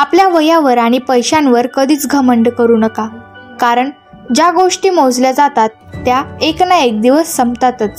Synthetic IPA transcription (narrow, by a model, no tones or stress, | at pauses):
apljaʋəjaʋəɾaɽ̃ipəjɕãnʋəɾkəd̪iːt͡sɡʱəməɳɖkəɾuːnəka | kaɾəɳ | d͡ʑaɡoʂʈiːmod͡zljad͡zat̪at̪ːjaeknaek̚d̪iʋəsːəmt̪at̪ət͡s